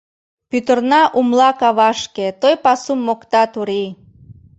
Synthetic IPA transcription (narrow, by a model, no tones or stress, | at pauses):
pyt̪ərnɑʔumlɑkɑβɑʃket̪ojpɑsumːokt̪ɑt̪uɾi